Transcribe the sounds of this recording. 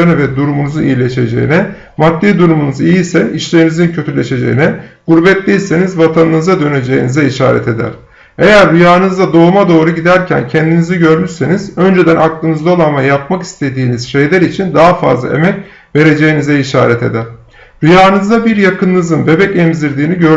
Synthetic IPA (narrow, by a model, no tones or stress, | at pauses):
nɛvɛd̪uɾumunuzunḭjilʲeʃe̞d͡ʒḛjḭnɛ | mat̪ːiːd̪uɾumunuzijisæniʃlʲe̞ɾinizincʰøt̪ʰylʲe̞ʃe̞d͡ʒḛjinɛɡ̥uɾbɛt̪lʲijse̞nizvat̪ʰanɯnɯzad̪ø̞ne̞d͡ʒe̞jinizɛiʃa̰ːɾɛ̰t̪ʰe̞d̪æ̰ɾ̥ | e̞jæɾːyjaːɯnɯzd̪ad̪o̞ːmad̪o̞ːɾuɟid̪æɾcʰæ̰ncʰɛnd̪inizɛɟø̞ɾmyɾse̞nizø̞nd͡ʒe̞d̪ænʔaklˠɯnɯzd̪aolˠanmajap̚maki̥st̪ʰe̞d̪iːniz̥ʃe̞jlʲæɾit͡ʃʰind̪aɦafa̰zlˠa̰e̞̰mɛc | ve̞ɾe̞d͡ʒe̞jinizɛiʃa̰ːɾɛt̪ʰe̞̰d̪æɾ̥ | ɾyjaːɯnɯzd̪abiɾjakʰɯnːɯzɯnbe̞bɛcɛmziɾd̪iːniɟøɾ